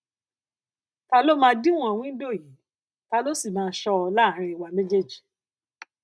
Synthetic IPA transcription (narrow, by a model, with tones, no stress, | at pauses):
ta˧lo˦mã˧di˦w̃ɔ̃˧˨w̃ĩ˦do˦˨ji˨˦ | ta˦lo˦si˦˨mãː˧˦ʃɔ˧la˦˨ɾ̃ĩ˧i˨wa˧nẽ˦d͡ʒe˦˨d͡ʒi˨